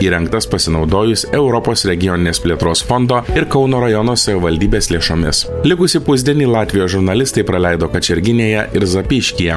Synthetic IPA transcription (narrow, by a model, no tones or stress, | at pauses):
iːɾʲɛŋkt̪ɐspɐsʲɪnɒʊd̪oːjʊsʲɛʊɾɔpoːsɾʲɛɡʲɪjɔnʲɪnʲeːspʲlʲeɛt̪ɾoːsfɔnd̪oːɪɾkɒʊnoːɾɐjɔnoːsɐʋʲɪʋɐlʲd̪ʲiːbʲeːslʲeɛʃoːmʲɪslʲɪkʊsʲɪpʊzʲd̪ʲiɛnʲiːlˠɑːt̪ʲʋʲɪjoːsʒʊɾnɐlʲɪst̪ɐɪpɾɐlʲæɪd̪oːkɐt͡ʃʲɛɾʲɡʲɪnʲeːjɛɪɾzɐpʲɪʃʲkʲijɛ